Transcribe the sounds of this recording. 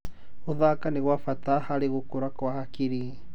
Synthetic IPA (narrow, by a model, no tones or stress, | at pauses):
oðakaneɣwafatahaɾeɣokoɾakwahakiɾi